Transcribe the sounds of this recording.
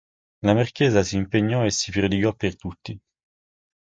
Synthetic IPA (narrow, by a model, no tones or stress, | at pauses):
lamarkɛːzasiːmpeɲːɔesːipɾod̪iɡɔpːert̪ut̪ːi